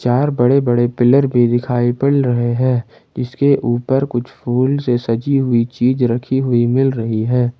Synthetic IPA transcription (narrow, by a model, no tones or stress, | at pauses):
t͡ʃaːɾbɐɽebɐɽepɪləɾbʱid̪ɪkʰaːipɐɽɾɐɦeɦɛ̃ː | d͡ʒɪskeʔuːpəɾkʊt͡ʃʰpʰuːlsesɐd͡ʒiɦʊit͡ʃiːzɾɐkʰiɦʊimɪlɾɐɦiɦɛ̃ː